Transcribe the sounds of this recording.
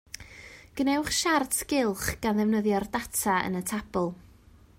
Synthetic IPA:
ɡ̥ənɛwχʃartskɪlˠχɡ̥anðɛvnəðjɔrdatʰaə̰nətʰab̥ʊlˠ

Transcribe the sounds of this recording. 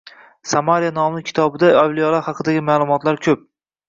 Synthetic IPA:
samaɾijanɒmnɪkʲʰɪ̥t̪ʰɒbɪd̪aɒvlijɒlˠahɑqʰɨd̪aɡʲɪmaːlˠʊmɒt̪laɾkʲʰɵp̚

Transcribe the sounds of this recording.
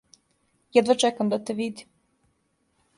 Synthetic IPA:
jɛd̪ʋat͡ʃɛkamd̪at̪eʋid̪i

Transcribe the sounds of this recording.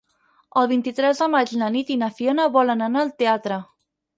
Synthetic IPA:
əlˠβint̪it̪ɾɛzðəmad͡ʒnənit̪inəfionəβɔlənanaːlˠt̪eat̪ɾə

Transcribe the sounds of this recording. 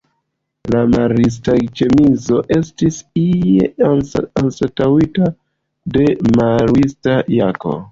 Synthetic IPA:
lamaɾis̬tat͡ʃe̞mizo̞ʔe̞stisijḛansatawita | de̞maɾwistajako̞̰

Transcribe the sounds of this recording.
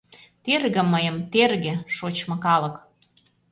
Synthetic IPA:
t̪erɣĕmːəjə̆mt̪erɣĕʃot͡ɕmɤ̆kɑlɤ̆k

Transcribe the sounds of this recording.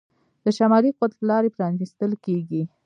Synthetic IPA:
d̪̥əʃamɑliqʊwat̪ləlɑɾepɾɑnist̪əlkeɡi

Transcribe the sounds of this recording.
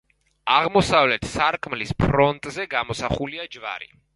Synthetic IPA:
aʁmɔsavlɛt̪ʰsaɾkʼmlispʰɾɔnt̪ʼzɛɡamɔsaχuliad͡ʒva̰ɾḭ

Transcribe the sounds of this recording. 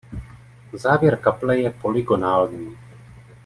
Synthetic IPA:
zaːvjɛɾkaplɛjɛpolɪɡonaːlniː

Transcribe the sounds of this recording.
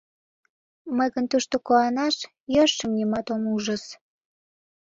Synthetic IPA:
məjɣənt̪uʃt̪okoɑnɑʃ | jəʃːəmnʲimɑt̪omuʒə̆s

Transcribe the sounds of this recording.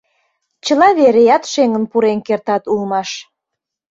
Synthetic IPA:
t͡ɕəlɑβeɾejɑt̪ʃeŋənpuɾenkert̪ɑt̪ulmɑʃ

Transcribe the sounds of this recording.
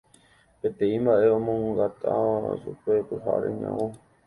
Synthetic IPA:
pet̪ẽ̞ĩmbaʔe̞õmõŋɡat̪asupe̞t̪ɨɦa̰ɾḛɲã̰ʔõ

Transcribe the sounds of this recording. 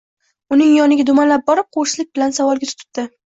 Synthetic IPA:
ʊnɪŋjɒnɪɡʲad̪ʊmanlap̚bɒɾɪp̚qʰoʃɪlɪk̚ʲbɪlansavɒlˠɡʲat̪ʰɪ̥t̪ʰʊ̥t̪̚d̪ɪ

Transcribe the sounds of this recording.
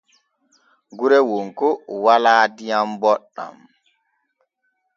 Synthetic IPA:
ɡuɾɛwoŋkowalaːdijambɔɗːa̰m

